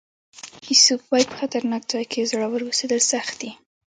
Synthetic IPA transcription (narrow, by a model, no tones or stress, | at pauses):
isubbɑj̚pə̥xat̪aɾnɑk̚zɑjkʰezaɽawəɾwosed̪əlsaxt̪̚d̪i